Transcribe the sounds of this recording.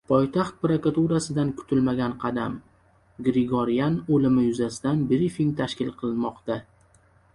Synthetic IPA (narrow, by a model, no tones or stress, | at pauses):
pʰɒjt̪ʰaχt̪̚pɾakat̪uɾasɪd̪ankʰʊ̥t̪ʰɪlmaɡʲanqʰɑd̪a̰m | ɡɾɪɡoɾijanolɪmɪjʊzasɪd̪anbɾifiŋt̪ʰaʃkʲɪlˠqʰɨlˠɪnmɒqt̪a